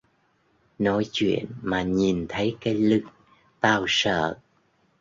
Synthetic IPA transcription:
nɔ˨˦jt͡ɕwḭ˧˨ənmaː˨˩ɲi˨˩nt̪ʰə˨˦jkaː˨˦jlɨ˦˥k̚ | t̪aː˧wsə̰ː˧˨

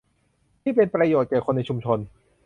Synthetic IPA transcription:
t̪ʰiː˥˩pe˧npɾa˧joː˨˩t̪̚kɛː˨˩kʰo˧nːa˧jt͡ɕʰu˧mt͡ɕʰo˧n

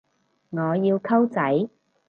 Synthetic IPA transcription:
ŋɔː˨˧jiː˧wkʰɐ˥wt͡sɐ˨˥j

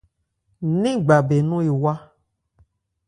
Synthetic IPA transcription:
nĩ˦ɡ͡ba˨be˨nũ˦e˨wa˦

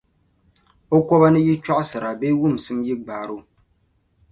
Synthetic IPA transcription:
o˦kʷɔ˦βa˦nɨ˦ji˦t͡ʃɔ˦ʔsɨ˨ɾa˨beː˦wu˦˨m˨sɨ˦mji˦ɡ͡baː˨ɾo˦

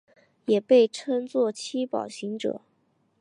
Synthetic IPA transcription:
jɛ˨˩pe˥˩ɪʈ͡ʂʰə˥ŋt͡swɔ˥˩t͡ɕʰi˥pɑ̰˨˩ʊɕi˧˥ŋʈ͡ʂɤ̰˨˩˦

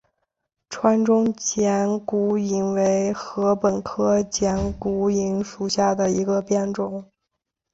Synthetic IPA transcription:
ʈ͡ʂʰwa˧˥nʈ͡ʂʊ˥ŋt͡ɕjɛ˧˥nku˧˥i˧˥ŋwe˧˥ɪxɤ˧˥pə˨˩nkʰɤ˥t͡ɕjɛ˧˥nku˧˥i˧˥ŋʂu˨˩ɕja˥˩d̪ə˩i˧˥ɡə˧pjɛ˥˩nʈ͡ʂʊ˨˩˦ŋ

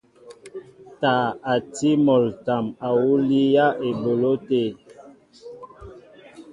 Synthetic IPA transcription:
ta˨a˨ti˦mɔ˨lta˨ma˨wu˦li˦ja˦ʔe˨bo˨lo˦te˦˨

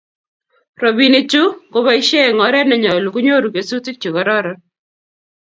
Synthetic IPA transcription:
ɾo˨bi˨nɪ˨t͡ʃu˦ko˦ba˦i˦ʃe˦˨ŋɔ˨˦ɾɛ˦nɛ˨ɲa˨lu˨ku˦ɲo˦ɾu˨ke˨su˦ti˦k̚t͡ʃi˨kɔ˨ɾɔ˦ɾɔ˦

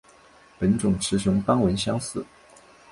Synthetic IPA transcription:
pə˧˥nʈ͡ʂʊ˨˩ŋʈ͡ʂʰɻ̩˧˥ʂɤ˧˥ŋpɑ˥ŋwə˧˥nɕjɑ˥ŋsɹ̩˥˩

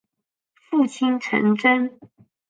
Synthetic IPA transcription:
fu˥˩t͡ɕʰi˥nʈ͡ʂʰə̰˧˥ŋʈ͡ʂə˥n

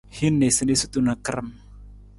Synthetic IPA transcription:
hi˦nːe˨sə˨ne˦su˦t̪u˦na˨kə˦ɾə˦˨m

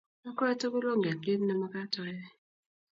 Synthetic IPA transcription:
a˦kɔ˦ɛ˦to˦ku˦lo˦ŋɡe˨ki˦n˦nɛ˨ma˦ka˦tɔ˦jɛ˦

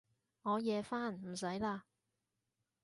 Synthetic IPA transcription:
ŋɔː˨˧jɛː˨˧faː˥˨nm̩˨˩s̬ɐ˨˥jlaː˧

